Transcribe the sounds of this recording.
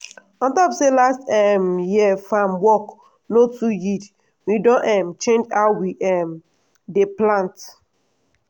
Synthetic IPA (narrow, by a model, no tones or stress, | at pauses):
ɔ̃ntɔpselastɛmjiɛfamwɔk | notujid | widɔ̃nʔɛmt͡ʃẽnd͡ʒaʊwiʔɛm | deplãnt